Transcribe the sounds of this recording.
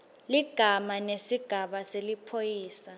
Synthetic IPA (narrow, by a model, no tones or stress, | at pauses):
liɡ̥ʱamanesiɡ̥ʱaɓaselipʰojiːsa